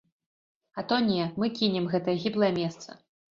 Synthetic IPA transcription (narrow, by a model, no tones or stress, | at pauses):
ɐt̪ɔnʲɛmɨkʲinʲɛmɣɛt̪ɐjɛɣʲiblˠɐjɛmʲɛst̪sɐ̰